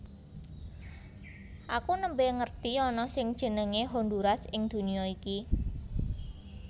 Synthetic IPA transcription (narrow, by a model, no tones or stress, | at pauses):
ʔakunəmbeŋərt̪iɔnɔsɪŋd̥ʒ̥ə̤nəŋeɦond̪uɾasɪŋd̪̥ṳnijɔiki